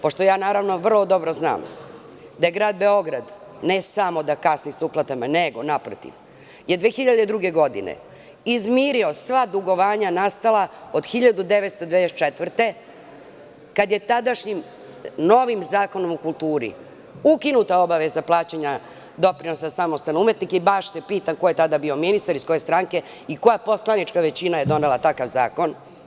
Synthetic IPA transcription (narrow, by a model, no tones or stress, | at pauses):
po̞ʂt̪o̞jaːnaːɾaʋno̞ʋr̩lˠo̞d̪o̞bɾo̞zna̰ːm | d̪ajeɡɾaːd̪̚be̞o̞ɡɾad̪ | nesamo̞d̪akasnisuplˠat̪amaneɡo̞napɾo̰t̪ḭʋ | jed̪ʋeːxiʎad̪ed̪ɾuɡe̞ɡo̞d̪ḭnḛ | izmiːɾio̞sʋad̪uɡo̞ʋaːɲanast̪alˠaod̪xiʎad̪ud̪eʋet̪st̪od̪eest͡ʃet̪ʋr̩t̪e̞ | kad̪je̞t̪ad̪aʃɲim | no̞ʋimzaːko̞no̞mukulˠt̪uːɾḭ | ukinut̪ao̞baʋezaplˠaːt͡ɕeɲa | d̪o̞pɾinosasamost̪anoumet̪nikeibaʃsepiːt̪amko̞jet̪ad̪abio̞minist̪aɾisko̞je̞st̪ɾaŋke̞ | iko̞japo̞slˠanit͡ʃkaʋe̞t͡ɕinajed̪o̞nelat̪akaʋza̰ːko̞n